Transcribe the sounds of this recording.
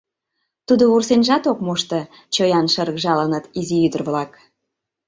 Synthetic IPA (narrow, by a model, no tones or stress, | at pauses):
t̪ud̪oursenʲʒɑt̪okmoʃt̪ə̆ | t͡ɕojɑnʃə̆rɣʒɑlənət̪iziyd̪ərβlɑk